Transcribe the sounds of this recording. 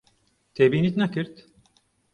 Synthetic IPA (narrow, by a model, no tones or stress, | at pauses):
t̪ʰebiːnit̪nakɯɾt̪